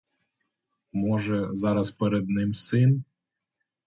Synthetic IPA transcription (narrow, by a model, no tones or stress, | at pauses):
mɔʒɛzɑɾɐspeɾed̪nɪmsɪn